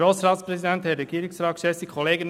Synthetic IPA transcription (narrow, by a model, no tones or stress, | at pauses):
oːsɾɑːtspɾɛzidɛnthɛɾɛɡiːɾɪŋsɾɑːtkʃɛsikʰɔleːɡən